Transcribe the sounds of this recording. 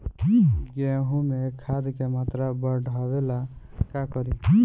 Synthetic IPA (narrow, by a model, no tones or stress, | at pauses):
ɡɛ̃ɦũmekʰad̪kemat̪ɾabɔɖʱabela | kakɔɾi